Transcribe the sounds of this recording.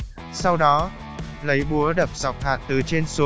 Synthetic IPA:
sa˧wɗɔ˨˦ | lə˨˦jɓu˨˦əɗə˨˩p̚za˨˩wk͡p̚haː˨˩t̚t̪ɨ˨˩t͡ɕe˧nsu˨˦

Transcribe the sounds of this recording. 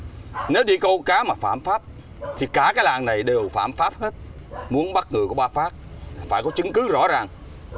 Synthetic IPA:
ne˨˦wɗi˧kə˧wkaː˨˦maː˨˩faː˧˩˨mfaː˦˥p̚ | t̪ʰi˨˩kaː˧˩kaː˨˦jlaː˨˩ŋna˨˩jɗe˨˩wfaː˧˩˨mfaː˦˥p̚he˦˥t̚mu˨˦ənɓa˦˥t̚ŋɨ˨˩ku˧˩əɓaː˧faː˦˥p̚ | faː˧˩jkɔ˨˦t͡ɕɨ˨˦ŋkɨ˨˦zɔ̰˧˥zaː˨˩ŋ

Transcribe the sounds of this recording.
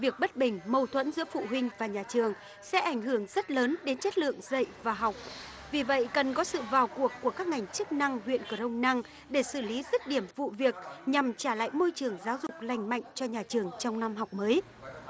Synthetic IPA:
vi˨˩ək̚ɓə˦˥t̚ɓï˨˩ŋ̟mə˧wt̪ʰwə̰˧˥nzɨ̰˧˥əfṵ˧˨ɦwï˧ŋ̟vaː˨˩ɲaː˨˩t͡ɕɨ˨˩əŋ | sɛ̰˧˥ʔa˧˩jŋ̟ɦɨ˧˩əŋzə˦˥t̚ləː˨˦nɗe˨˦nt͡ɕə˦˥t̚lɨ̰˧˨əŋzə̰˧˨jvaː˨˩ɦa˨˩wk͡p̚ | vi˨˩və̰˧˨jkə˨˩nkɔ˨˦sɨ̰˧˨vaː˨˩wku˨˩əkːu˧˩əkaː˦˥k̚ŋa˨˩jŋ̟t͡ɕɨ˦˥k̚na˧ŋhwḭ˧˨ənkə˧˩ɗə˧wŋ͡mna˧ŋ | ɗe˧˩sɨ˧˩li˨˦zi˦˥t̚ɗi˧˩əmvṵ˧˨vi˨˩ək̚ɲa˨˩mt͡ɕaː˧˩la̰ː˧˨jmo˧jt͡ɕɨ˨˩əŋzaː˨˦wzʊ˨˩k͡p̚la˨˩jŋ̟ma̰˧˨jŋ̟t͡ɕɔ˧ɲaː˨˩t͡ɕɨ˨˩əŋt͡ɕɔ˧wŋ͡mna˧mɦa˨˩wk͡p̚məː˨˦j

